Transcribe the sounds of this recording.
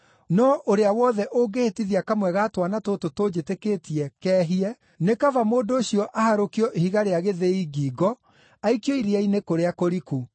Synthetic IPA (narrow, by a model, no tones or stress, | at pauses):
nɔʔoɾeawɔðɛʔoɡehetiðiakamwɛɣatwanatototod͡ʑeteketiɛkɛːɦiɛ | nekavamoːdoːɕiɔʔahaɾokiɔʔehiɣaɾeaɣeðeiɡiːɡɔ | aikjɔiɾeainekoɾeakoɾiku